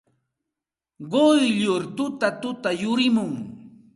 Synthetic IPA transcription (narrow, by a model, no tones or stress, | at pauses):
ɢojʎʊɾt̪ʊt̪at̪ʊt̪ajʊɾɪmʊŋ